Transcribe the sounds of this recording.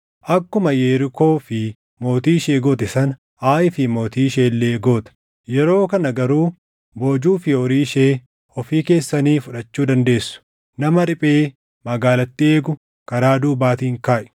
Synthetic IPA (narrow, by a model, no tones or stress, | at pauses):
ʔɐkːʊmɐjeːɾɪko̞ːfɪ | mo̞ːt̪iːʃeːɡoːt̪ɛsɐn | aːʔɪfɪmo̞ːt̪iːʃeːlːeːɡo̞ːt̪ɐ̥ | jɛɾo̞ːkɐnɐɡɐɾuː | bo̞ːd͡ʒuːfɪɔɾiːʃeː | ɔfiːke̞ːsːɐniːfʊᶑɐt͡ʃːuːd̪ɐnd̪e̞ːsːʊ̥ | nɐmɐɾɪpʼeː | mɐɡaːlɐt̪ːɪe̞ːɡʊ | kɐɾaːd̪uːbaːt̪iːɪŋkaːʔɛ̥